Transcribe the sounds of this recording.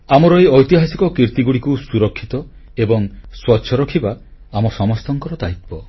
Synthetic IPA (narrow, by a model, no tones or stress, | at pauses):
amɔɾɔeɔjt̪iɦasikɔkiɾt̪iɡuɽikusuɾɔkʰːit̪ɔ | ebɔŋswɔtːʃʰɔɾɔkʰibaamɔsɔmɔst̪ɔŋkɔɾɔd̪ait̪̚pɔ